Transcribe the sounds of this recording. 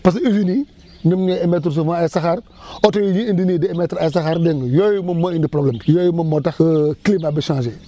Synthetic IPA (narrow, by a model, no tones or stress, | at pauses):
pas̬izini | nimɲeemet̬ɾs̬ofãajsaxaɾ | otojiɲiindinidiemetɾajs̬axaɾdeŋjojumumːoindipɾoblemjojuməmotaxkilimabiʃãːʃe